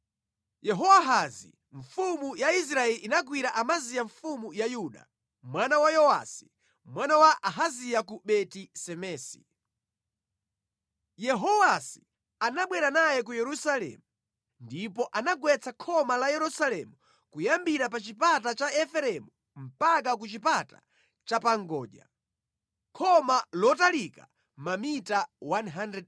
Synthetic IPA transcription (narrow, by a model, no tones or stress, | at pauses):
jɛɦɔwaɦazḭ | ɱfumujais̬ɾaɛliʔinaɡwiɾaʔamazijaɱfumujajuːɗa̰ | mwanawajɔwa̰si̥ | mwanawaʔaɦaziakuɓɛtisɛmɛːsḭ | jɛɦɔwasi̥ | anaɓwɛɾanajɛk̬ujɛɾusalɛ̰mu | ndipɔʔanaɡwɛt͡sʰakʰɔmalajɛɾusalɛmu | kujambiɾap̬at͡ʃipatat͡ʃaɛfɛɾɛmu | m̩pak̬akut͡ʃipatḁ̰ | t͡ʃapaŋɡɔːʄa̰ | kʰɔmalɔtalika | mamitawanɦandɾɛd